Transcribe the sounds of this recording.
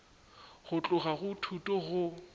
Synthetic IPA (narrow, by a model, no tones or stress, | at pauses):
ɣʊt͡ɬʼʊɣaɣʊtʰutʼɔɣʊ